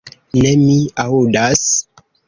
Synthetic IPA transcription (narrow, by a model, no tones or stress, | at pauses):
nemiaudas